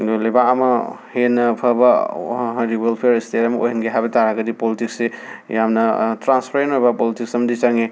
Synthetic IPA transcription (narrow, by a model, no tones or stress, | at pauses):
libaɐmɐ | henːɐpʰɐbɐ | ɾibelpʰeɾistetɐmɐo̰jɦɐnɡeɦajbɐtaɾaɡɐdipolitiksejamnɐtɾanspʰaɾenojbɐpolitiksɐmɐdisaŋe